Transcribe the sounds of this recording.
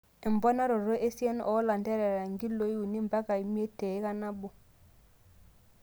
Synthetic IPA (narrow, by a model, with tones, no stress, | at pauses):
i˨mbo˦na˦ɾo˨ɾo˦ʔe˦si˦e˦nʔo˨˦la˨nte˦ɾe˨ɾa˨ŋɡi˦lo˨˦ji˦u˨ni˦mba˦ka˨i˨mi˦e˦te˨i˦ka˦na˦bu˨